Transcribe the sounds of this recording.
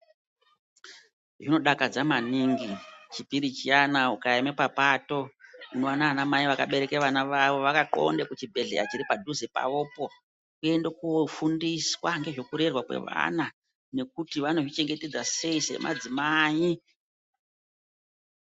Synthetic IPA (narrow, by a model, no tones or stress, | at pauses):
ʐino̞ɗakad͡zamaniŋɡit͡ʃipiɾit͡ʃianaukaemepapato̞unoanaːnamaiʋakaɓe̞ɾe̞keʋanaʋaʋo̞ʋakaǃo̞̰ndekut͡ʃibʱe̞ɮḛa̰t͡ʃiɾipadʱuzepa̰ʋoːpo̞ | kue̞ndekofundiswaŋɡe̞ʐo̞kuɾe̞rwakwe̞̰ʋa̰na | ne̞k̚utiʋano̞ʐit͡ʃe̞ŋɡe̞te̞d͡zase̞ise̞̰mʔa̰d͡zimai